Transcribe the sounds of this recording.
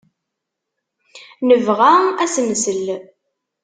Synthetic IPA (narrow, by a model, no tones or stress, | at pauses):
nəvʁææsməsəl